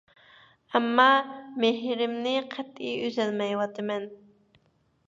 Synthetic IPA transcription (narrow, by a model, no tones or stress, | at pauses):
ɛmːɑmeɦɾɪmnɪqʰæt̪ijyzɛlmɛjwɑt̪ʰɨmɛn